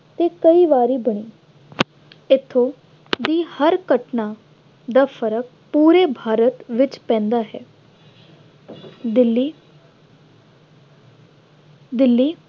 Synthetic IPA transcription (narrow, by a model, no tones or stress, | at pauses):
t̪ekɐiʋaːɾibɐɽ̃iː | ɪt̪ʰːo | d̪iːhəɾkəʈna | d̪afʰəɾək̚ | puːɾebʱaːɾət̪ʋɪt͡ʃpɛ̃ːnd̪aɦɛ̰ː | d̪ɪlːi | d̪ɪlːiː